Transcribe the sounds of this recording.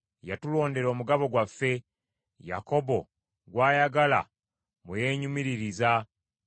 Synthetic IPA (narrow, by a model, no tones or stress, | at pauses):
jatulo̞ːnde̞ɾo̞ːmuɡaβo̞ɡwafːe̞ | ja̰ko̞bo̞ | ɡwaːjaɡala̰ | muje̞ːɲumiɾiɾiza